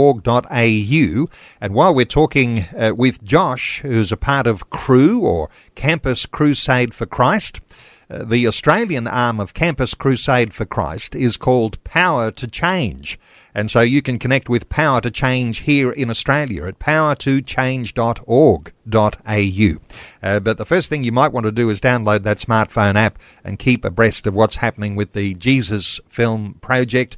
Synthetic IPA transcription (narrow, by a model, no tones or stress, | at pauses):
ɔɹɡ̚dɑɾeɪjʉ | ɨ̃nwaɪlˠwɨɹtʰɔkɪ̃ŋwɪðd͡ʒɑʃhʉɨzɨpʰɑɹɾʌv̥kʰɹ̥ʉə̰˞ | kʰæ̃mpɨskʰɹ̥ʉseɪd̥fə˞kʰɹ̥aɪst | ðiɨstɹ̥eɪlˠjɨ̃nɑɹmʌv̥kʰæ̃mpɨskʰɹ̥ʉseɪd̥fə˞kʰɹ̥a̰ɪstɪz̥kʰɔlˠd̚pʰaʊə˞ɾɨt͡ʃʰẽɪ̃nd͡ʒ | ɨ̃nsoʊjɨkɨ̃nkʰɨnɛk̚t̚wɨð̥pʰaʊə˞ɾɨt͡ʃʰẽɪ̃nd͡ʒ̥hiɹʔɪ̃nɨstɹ̥eɪlˠjɨ̰ɨt̚pʰaʊə˞ɾɨt͡ʃʰẽɪ̃nd͡ʒdɑɾɔɹɡdɑɾeɪjʉ | bʌt̪̚ðəfɜ˞stθɪ̃ŋjɨmaɪʔ̚wɑ̃ntɨdɨɨzdãʊ̃nloʊd̪̚ðɨtsmɑɹtfõʊ̃ñæp | ʔɨ̰̃nkʰipɨ̰bɹɛstʌvwʌtshæpənɪ̃ŋwɨðɨd͡ʒizɨz̥fɪlˠmpʰɹ̥ɑd͡ʒɛk̚t̚